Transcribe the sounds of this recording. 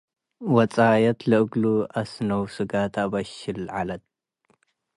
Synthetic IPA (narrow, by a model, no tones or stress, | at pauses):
wɐt͡sʼajɐt̪lɨʔɨɡluʔasnɐwsɨɡat̪ʰaβɐʃɪlʕalɐt̪̚